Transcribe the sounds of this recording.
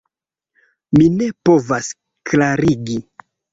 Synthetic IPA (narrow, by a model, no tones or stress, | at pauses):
mine̞po̞vas | klaɾiɡi